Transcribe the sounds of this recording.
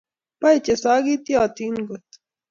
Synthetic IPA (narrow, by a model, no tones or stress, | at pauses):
pɐjt͡ɕesaːɡit̪iaːt̪iːnɡot̪